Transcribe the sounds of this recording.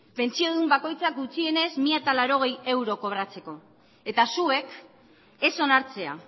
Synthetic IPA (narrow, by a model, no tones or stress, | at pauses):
pe̞nt͡sio̞ðumbako̞jt͡sakɡut͡sie̞ne̞zmiat̪alaɾo̞ɣ̞e̞je̞wɾo̞ko̞β̞ɾat͡se̞ko̞ | e̞t̪asue̞k | e̞so̞naɾt͡se̞a̰